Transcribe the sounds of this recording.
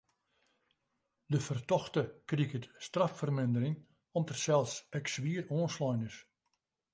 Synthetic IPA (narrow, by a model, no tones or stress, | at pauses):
dəfərtɔxtəkrikətstrafərmɪndərɪŋ | ɔmtərsɛlˠsɛksʋiəroːnslɔjnɪs